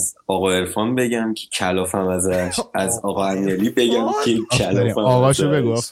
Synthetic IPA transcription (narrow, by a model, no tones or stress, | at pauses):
zɒːɣɒe̞ɾfɒnbe̞ɟæmcʲʰe̥cʰælɒːfæmæzæʃæzɒɣɒæmielibe̞ɡæmkʰekʰælɒæɒɣɒʃobeɡof